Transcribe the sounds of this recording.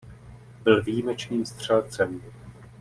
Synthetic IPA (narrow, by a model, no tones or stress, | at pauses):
bɪlvijimɛt͡ʃniːmst̪r̝̥ɛlt͡sɛm